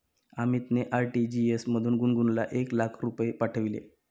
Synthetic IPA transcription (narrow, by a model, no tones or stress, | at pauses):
amit̪neʔaɾʈid͡ʑiesməd̪ʱuːnɡunɡunlaʔeklakʰɾupepaʈʰəʋilḛ